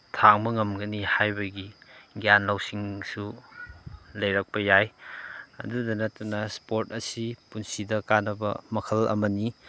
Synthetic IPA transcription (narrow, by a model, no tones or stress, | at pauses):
tʰaŋmɐŋɐmɡɐnihajbɐɡiɡjanlɐwsiŋsu | lɐjɾɐk̚pɐjaj | ɐdudɐnɐtunɐspoɾtɐsipunsidɐkanɐbɐ̰mɐkʰɐlɐ̰mɐni